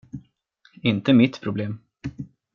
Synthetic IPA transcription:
ɪnt̪əmɪt̪pʰɾʊbleːm

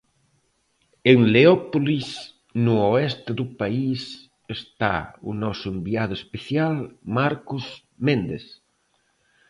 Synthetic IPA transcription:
eŋleɔpolis | nʊoɛst̪eðʊpais | est̪a̰ṵnɔsʊembiaðʊespeθjalmaɾkoz | mẽnd̪eθ

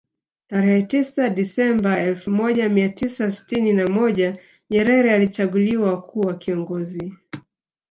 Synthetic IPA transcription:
taɾɛhɛtisaɗisɛmbaɛlfumɔʄamiatisasi̥tininamɔʄa | ɲɛɾɛɾɛalit͡ʃaɠuliwakʰuːwakiɔŋɡɔzi

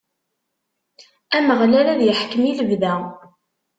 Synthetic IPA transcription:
æməʁlæɾæðjəħkəmiləvðæ

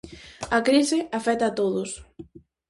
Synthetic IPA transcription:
ɐkɾisɪafɛt̪at̪oðʊs

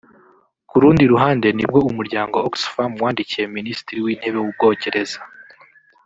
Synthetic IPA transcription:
kuɾuːndiɾuɦaːnde̞nib̚ɡo̞umuɾɟaːŋɡo̞oksfamwaːndicije̞minisi̥tiɾiwiːn̥he̞βe̞wub̚ɡo̞ːce̞ɾe̞za

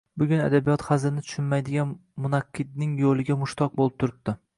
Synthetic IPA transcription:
bʊɡʲʊna̰d̪abijɒt̪χɑzɪnɪt̪ʰʊ̥ʃɪnmajd̪ɪɡʲanmʊnaqʰːɨd̪̚nɪŋjolˠɪɡʲamʊʃt̪ʰɒq̚bolˠɪp̚t̪ʰʊɾɪb̚d̪̥ɪ

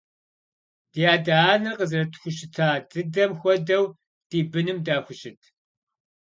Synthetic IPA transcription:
d̥ijaːdaːnɨrqəzrɐtxʷʊɕɪtʰaːdɨdɐmxʷɔdɐw | d̥iːbɨnɨmdaːxʷʊɕɪtʰ

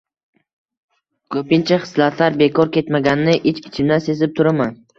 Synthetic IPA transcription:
kʰɵpɪnt͡ʃʰaχɨ̥slat̪ʰlaɾbekʰɒɾkʲʰe̞t̪maɡʲannːɪʔɪt͡ʃɪt͡ʃʰɪmd̪anse̞zɪp̚t̪ʰʊɾaman

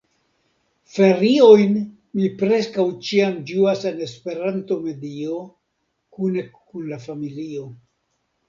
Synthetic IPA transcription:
fe̞ɾio̞jn | mipɾe̞skawt͡ʃiamd͡ʒuase̞ne̞spe̞ɾanto̞me̞dio̞ | kune̞kunlafamilio̞

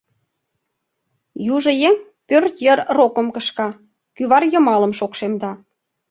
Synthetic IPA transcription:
juʒə̆jeŋ | pørt̪jərrokə̆mkə̆ʃkɑ | kyβɑrjə̆mɑlə̆mʃokʃemd̪ɑ

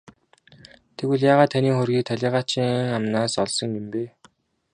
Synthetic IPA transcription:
t̪ʰekɘɮjaːʁaːt̪ʰːaniːχʊrɣʲiːk̚t̪ʰaɮʲiːʁaːt͡ɕiːŋŋamnaːsɔɮsɞ̆ŋjʊmpeː

